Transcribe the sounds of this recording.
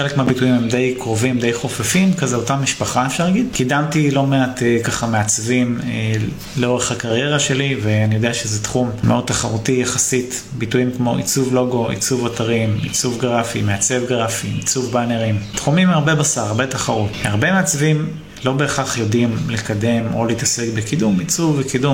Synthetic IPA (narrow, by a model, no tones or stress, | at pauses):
χelekmeabituimhemd̪ejkʁo̞vimd̪ejχo̞fafimkazeotamiʃpaχaefʃaʁlaɡid̪kidamtilo̞meat̪ekaχame̞at͡svim | leo̞ʁeχhakaʁje̞ʁaʃe̞liveanijo̞deaʃezet̪χummeʔo̞d̪̚t̪aχaʁutijaχasit | bituimkmo̞ʔḭt͡suvlo̞ɡo̞ḭt͡suvataʁimḭt͡suvɡʁafimeat͡se̞vɡʁafiit͡suvbaneʁimtχumimaʁbe̞basaʁaʁbetaχaʁuthaʁbemeat͡svim | lo̞be̞ːχaχjo̞dimlikade̞mo̞̰leːtase̞kbekidumit͡suvːekidum